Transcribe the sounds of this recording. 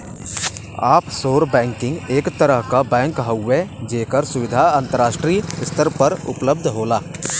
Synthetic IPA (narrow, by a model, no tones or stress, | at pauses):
aːpsoːɾbɛ̃ːŋkɪ̃ŋɡeːkt̪əɾəɦkabɛ̃ːŋkɦəʊːed͡ʒeːkəɾsʊwɪd̪ʱaə̃nt̪əɾaːʃʈɾiːɪst̪əɾpəɾʊ̰pləb̚d̪ʱɦoːlaː